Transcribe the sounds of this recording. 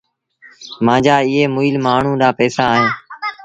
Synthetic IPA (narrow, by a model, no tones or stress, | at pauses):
mãːd͡ʒaːɪɦeːmʊiːlmaːɳ̤ũːɗ̪aːpɛːsaːɦẽː